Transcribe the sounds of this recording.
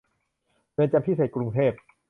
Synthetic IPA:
pe˧nt͡ɕa˧mpʰiː˦˥˩seː˨˩t̪̚kɾu˧ŋt̪ʰeː˥˩p̚

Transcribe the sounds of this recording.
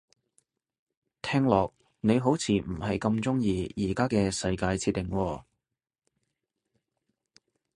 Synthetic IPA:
t̪ʰɛː˥ŋlɔː˨k̚ | ne˨˧jɦo˨˥wt͡sʰiː˨m̩˨˩hɐ˨jkɐ˧mt͡sʊ˥ŋjiː˧jiː˨˩kaː˥kɛː˧sɐ˧jkaː˧jt͡sʰiː˧t̪ːɪ˨˩ŋwɔː˧

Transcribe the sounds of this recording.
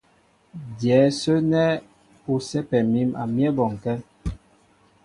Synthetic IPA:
djɛː˨˦sə˦nɛ˦ | u˨sɛ˦pɛ˨mi˦ma̰˨mjɛ˦bɔ˨ŋ˨kɛ˦

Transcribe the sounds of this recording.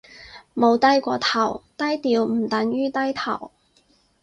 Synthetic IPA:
mo˨˧wt̪ɐ˥jkʷɔː˧t̪ʰɐ˨˩wt̪ɐ˥jt̪iː˧wm̩˨˩t̪ɐ˨˥ŋjyː˥t̪ɐ˥jt̪ʰɐ˨˩w

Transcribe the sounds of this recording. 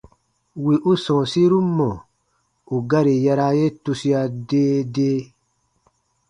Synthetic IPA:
wi˨ʔu˦sɔ̃ː˨si˦ɾu˦mɔ̃˨ | u˨ɡa˦ɾi˨ja˧ɾa˧je˦tu˧si˧a˧deː˦deː˦

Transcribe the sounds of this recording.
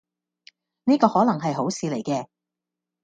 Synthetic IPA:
niː˥kɔː˧hɔː˨˥lɐ˨˩ŋɦɐ˨jɦo˨˥wsiː˧le˨˩jkɛː˧

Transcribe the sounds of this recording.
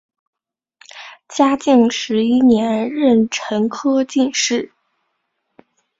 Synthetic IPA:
t͡ɕja˥t͡ɕi˥˩ŋʂɻ̩˧˥i˥njɛ˧˥nɻə˥˩nʈ͡ʂʰə˧˥ŋkʰɤ˥t͡ɕi˥˧nʂɻ̩˥˩

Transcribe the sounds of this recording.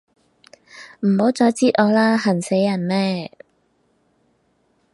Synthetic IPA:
m̩˨˩ho˨˥wt͡sɔː˨˥jt͡siː˥t̚ʔɔː˨˧laː˥ɦɐ˨˩nse˨˥jɐ˨˩nmɛː˥˩

